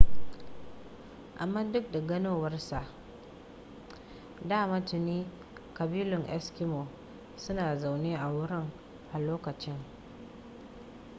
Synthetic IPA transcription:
ʔa˨mːaː˦dʊ˦k̚da˨ɡɐ˦noː˦wɐ˦rsa˨ʔ | daː˦˨ma˦tʊ˨niː˦ | kɐ˨biː˦lʊ˨ŋʔɛ̰˦skɪ˦mo˨ | sʊ˦naː˨za˨wneː˦ʔa˨wʊ˦ɾɪ˦ŋ | ʔa˨loː˦kɐ˨t͡ʃɪ˦ŋ

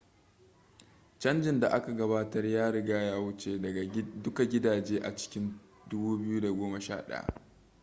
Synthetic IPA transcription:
t͡ʃɐ˦nd͡ʒɪ˨nda˨ʔa˦ka˨ɡɐ˦βaː˦tɐ˦rjaː˦ɽɪ˦ɡaː˦jaː˦wʊ˦t͡ʃeː˨ɐ˨dʊ˦ka˨ɡʲɪ˦daː˨d͡ʒeː˦ʔa˨t͡ʃɪ̥˦kʲɪ˦n | dʊ˦buː˦bɪ˦ju˦da˨ɡʷoː˦ma˨ʃa̰ː˦ɗɐ̰˦a̰˨ʔ

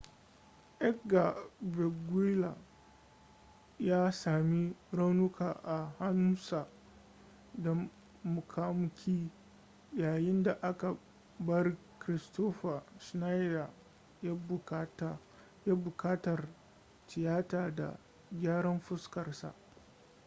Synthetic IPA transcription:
ʔɛ˦kɡa˨vɛ˨ɡi˦la˨ | jaː˦saː˨mi˦ɽa˦wnʊ˦kʰaː˨ʔa˨ha˦nu˦sa˨ | dɐ˨ | mʊ˨kʰa˦mʊ˦kʲʰiː˦ | jaː˨jɪ˦nda˨ʔa˦ka˨ | bɐ˦r | kɾɪ˨stoː˦ɸa˨ʃna˦jda˨ | a˦bt | jaː˦bʊ˨kaː˦tɐ˨r | tɪ˨jaː˦taː˨da̰˨ | ɡʲaː˦ɽɐ˦mɸʊ˦skɐ˨rsa̰˨ʔ

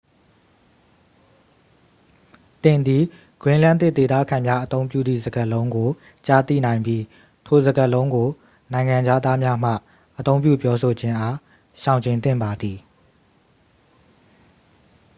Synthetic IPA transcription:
t̪ɪ̃˨nd̪i˨ | ɡ̥ɹɪ̃˦lã̰˦˨nt̪ɪ˦ʔ̪t̪e˨t̪a̰˦˨kʰã˨mja˦ʔət̪õ˦ʊ̃mpjṵ˦˨d̪ðḭ˦˨zə˨ɡə˨lõ˦ʊ̃ŋɡo˨ | t͡ɕa˦˨t̪ḭ˦˨nã˨ɪ̃mbji˦ | tʰo˨zə˨ɡə˨lõ˦ʊ̃ŋɡo˨ | nã˨ɪ̃ŋã˨d͡ʑa˦d̪a˦mja˦m̥ä̰˦˨ | ʔət̪õ˦ʊ̃mpjṵ˦˨pjɔ˦so˨d͡ʑɪ̃˦ʔa˦ | ʃã˨ʊ̃ɲt͡ɕẽ˨nt̪̬ɪ̰̃˦˨mba˨d̪i˨

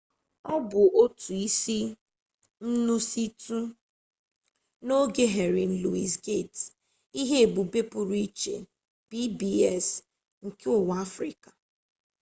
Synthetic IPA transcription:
ɔ˦bʊ˨ʔo˦tu˨i˦si˦ | n̩˦nu˦si˦tu˦ | no˦ɡe˦ɦe˨ɾɪ˨n̩˦lu˨i˨sɡe˦˨t | i˦ɦe˦e˨bu˨be˦pʊ˨ɾi˦i˦t͡ʃḛ˨ | b̥i˦bi˦ɛ˦˨s | ŋ̩˨kɪ˦ʊ˨wa˦fɾi˨kḁ˨

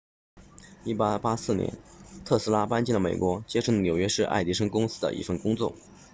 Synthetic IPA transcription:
i˥˩pa˥pa˥sɹ̩˥˩njɛ̰˧˥nt̪ʰɤ˥˩sɹ̩˥la˥pa˥nt͡ɕi˥˩lə˩me˨˩ɪkwɔ˧˥t͡ɕjɛ˥ʂnʲjo˨˩ʊɥɛ˥ʂɻ̩˥˧ʔa̰˥˩ɪt̪i˥ʂ̬ɤ˥ŋkʊ˥ŋsɹ̩˥d̪ə̰˨ʔḭ˥˩fə˥˩nkʊ˥ŋt͡swɔ˥˩

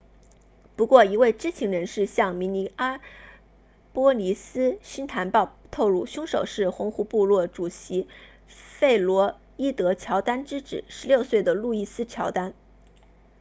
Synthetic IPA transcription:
pu˧˥kwɔ˥˩i˧˥we˥˩ɪʈ͡ʂɻ̩˥t͡ɕʰi˧˥ŋɻə˧˥nʂɻ̩˥˧ɕjɑ˥˩ŋmi˧˥ni˧˥a˥ | pwɔ˥li˧˥sɹ̩˥ɕi˥nt̪ʰa˧˥npɑ˥˧ʊt̪ʰo˥˧ʊlu˥˩ɕjʊ˥ŋʂo̰˨˩ʊʂɻ̩˥˩xʊ˧˥ŋxu˧˥pu˥˧lwɔ˥˩ʈ͡ʂu˨˩ɕi˧˥ | fe˥˩ɪlwɔ˧˥ | i˥t̪ɤ˧˥t͡ɕʰjɑ˧˥ʊt̪a˥nʈ͡ʂɻ̩˥ʈ͡ʂɻ̩˨˩˦ʂɻ̩˧˥ljo˥˧ʊswe˥˩ɪd̪ə˩lu˥˧i˥˩sɹ̩˥t͡ɕʰjɑ˧˥ʊt̪a˥n

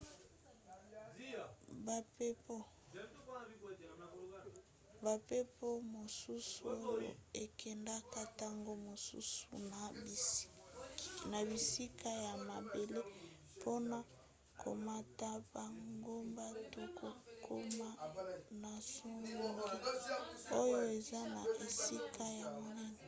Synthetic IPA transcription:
ba˨pe˦po˦ | ba˨pe˦po˦mo˨su˦so˦jo̰˦e˨kʰɛ˨nda˦ka˦ta˦ŋɡo˦mo˨sṵ˦sṵ˨n˨ | na˨bi˨si˦kʰa˦ja˨ma˨be˨le˦ | pʰo˦na˦ | kʰo̰˨ma˦ta˦ba˨ŋɡo˦mba˦to˦kʰo˨kʰo˦ma˦na˨so˦ŋo˨ŋɡi˦o˦jo˦e˨za˦na˨e˨si˦kʰa˦ja˨mo˨nɛ˦nɛ˨

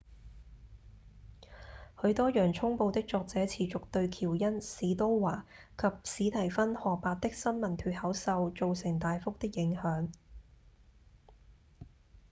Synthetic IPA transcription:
hɵ˨˧ɥt̪ɔː˥jœː˨˩ŋt͡sʰʊ˥ŋpo˧wt̪ɪ˥k̚t͡sɔː˧k̚t͡sɛː˨˥t͡sʰiː˨t͡sʊ˨k̚t̪ɵ˧ɥkʰiː˨˩wjɐ˥nsiː˨˧t̪o˥wwaː˨˩ | kʰɐ˨p̚siː˨˥t̪ʰɐ˨˩jfɐ˥nhɔː˨paː˧t̚t̪ɪ˥k̚sɐ˥nmɐ˨˩nt̪ʰyː˧t̚hɐ˨˥wsɐ˧wt͡ʃo˨˧wsɪ˨˩ŋt̪aː˨jfʊ˥k̚t̪ɪ˥k̚jɪ˨˥ŋhœː˨˥ŋ

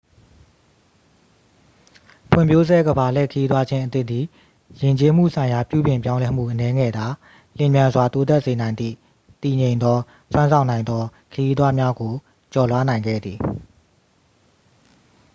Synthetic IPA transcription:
pʰwɪ̰̃˨mpʰjo˦zɛ˦ɡəba˨lɛ̰˦˨kʰəji˦t̪wa˦d͡ʑɪ̃˦ʔə˦t̪ɪ˦ʔd̪i˨ | jɪ̃˨ɲt͡ɕe˦m̥ṵ˦˨sʰã˨ɪ̃ja˨pjṵ˦˨bjɪ̃˨mp̬jã˦ʊ̃lɛ˦m̥ṵ˦˨ʔənɛ˦ŋɛ̰˦˨d̪a˨ | l̥ɪ̃˨mjã˨nzwa˨t̪o˦t̪ɛ˦ʔse˨nã˨ɪ̃nd̪ḭ˦˨ | t̪i˨ɲẽ˨ɪ̃nd̪ɔ˦ | sʰwã˦nsʰã˨ʊ̃nã˨ɪ̃nd̪ɔ˦kʰəji˦t̪̬wa˦mja˦ɡo˨ | t͡ɕɔ˨lwa˦nã˨ɪ̃ŋɡɛ̰˦˨d̪ði˨

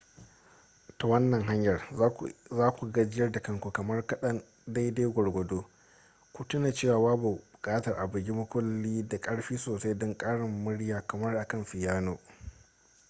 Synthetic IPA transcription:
to˨wɐ˦nːɐ˨ŋɦa˦ɲjɐ˨r | zaː˦kʷu˨ɡa˦d͡ʒɪ˦jɐ˦rda˨kɐ˦ŋkʷu˨kɐ˨mɐ˦rkɐ˦ɗɐ˦n | da˦jda˦jɡʷɔ˨ɽɡʷɔ˨doː˦ | kʷu˨tʊ˦naː˨t͡ʃeː˦˨waː˨waː˦bu˨bʊ˨kʼaː˦tɐ˨rʔa˨bɪ˨ɡʲi˦mʊ˦kʷʊ˦lːiː˦da˨kʼɐ˦ɽɸiː˦soː˨sa˦jdɔ˦ŋkʼaː˦ɽɪ˨mːʊ˦ɽjaː˨kɐ˨mɐ˦rʔa˨kɐ˦mɸɪ˨jaː˦noː˨

